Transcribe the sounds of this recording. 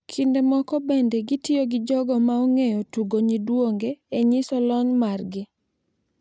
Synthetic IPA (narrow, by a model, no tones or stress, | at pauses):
kʰindemɔkɔbendeɡɪtɪoɡɪd͡ʒɔɡɔmaoŋejɔtuɡoɲidwoŋɡeːɲisɔlɔɲmarɡɪ